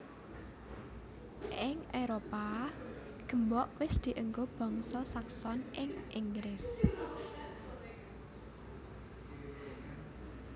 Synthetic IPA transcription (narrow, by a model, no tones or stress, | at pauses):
ʔɪŋʔeɾopa | ɡ̥ə̤mbɔʔwɪsd̪̥i̤ʔəŋɡob̥ɔ̤ŋsɔsaksɔnʔɪŋʔiŋɡɾɪs